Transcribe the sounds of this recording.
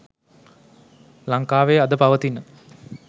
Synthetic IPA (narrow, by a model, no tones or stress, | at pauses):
laŋkaːʋejad̪əpaʋət̪inːə